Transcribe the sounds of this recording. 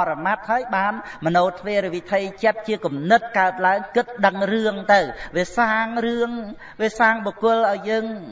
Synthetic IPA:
ɾɑmat̪̚haəjɓaːnmɔnoːt̪ʰʋeːɾɨʋit̪ʰijt͡ɕət̪̚t͡ɕiəkumnɨt̪̚kaət̪̚laəŋkɨt̪̚ɗəŋrɨəŋt̪ɨwʋiəsaːŋrɨəŋ | ʋiəsaːŋɓɔkʊəlʔaɔjːəːŋ

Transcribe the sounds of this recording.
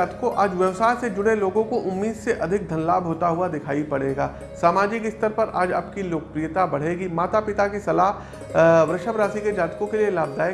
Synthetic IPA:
aːt̪kõʔaːd͡ʒʋjəʋsaːjsed͡ʒʊɽ̤eloːɡõkoʔʊmːiːd̪seʔɐd̪ʱɪk̚d̪ʱɐnlaːbʱɦoːt̪aɦʊad̪ɪkʰaːipɐɽeːɡaː | saːmaːd͡ʒɪkɪst̪əɾpɐɾa̰ːd͡ʒɐ̰pkiloːkpɾijət̪abɐɽ̤eːɡimaːt̪apɪt̪akisɐlaːɦ | ʋɾɐʃəbɾaːsiked͡ʒaːt̪kõkelielaːbd̪aːe

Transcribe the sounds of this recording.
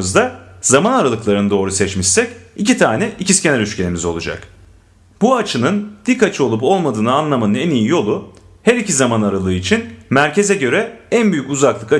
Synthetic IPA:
ɯzd̪azamanaɾalˠɯklˠaɾɯnɯd̪o̞ːɾusɛt͡ʃmiʃsɛcicit̪ʰaːnɛʔiciscʲenɛɾyʃcenʲimizo̞lˠud͡ʒa̰k | b̥uat͡ʃʰɯnɯnd̪̥ikːat͡ʃʰo̞lˠupo̞lˠmad̪ɯːnɯanlˠamanɯnɛnijijo̞lˠu | hæɾicʰizamanaɾalˠɯːit͡ʃʰinmæɾcʰe̞zɛɟø̞ɾɛænbyjycuzaklˠɯka

